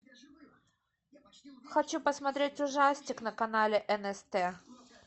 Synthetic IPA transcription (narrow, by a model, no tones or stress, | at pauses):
xɐt͡ɕupəsmɐt̪ɾʲetʲʊʐasʲtʲɪknəkɐnalʲɪʔɛnɛst̪ɛ